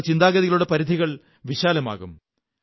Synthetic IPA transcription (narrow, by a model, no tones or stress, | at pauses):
t͡ɕind̪aːɡɐðijɐluɽe̞pɐɾid̪ʱiɣɐɭ | ʋiɕaːlɐma̰ːɣum